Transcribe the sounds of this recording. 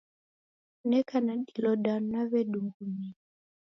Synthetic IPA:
nɛkanaɗilɔɗanaβɛɗuŋɡuni

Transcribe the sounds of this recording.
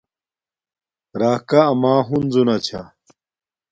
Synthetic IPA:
ɾaːkaːmaːɦunzunɐt͡ɕʰa̰

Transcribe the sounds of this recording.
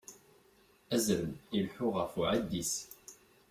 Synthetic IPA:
æzɾəmilħʊʁəfuʕad̪ːis

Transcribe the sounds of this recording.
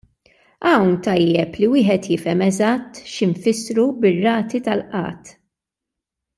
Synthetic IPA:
ɐwnt̪ɐjːɛpliwɪːħɛt̪jɪfɛmɛzɐt̪ːʃɪɱfɪsɾubɪrːɐːt̪it̪ɐlʔɐ̰ːt̪

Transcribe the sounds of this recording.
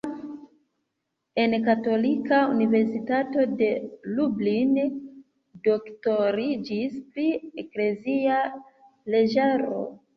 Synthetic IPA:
e̞nkato̞likaunive̞ɾsitato̞de̞lublin | do̞kto̞ɾid͡ʒispɾiekle̞zia | leʒaɾo̞̰

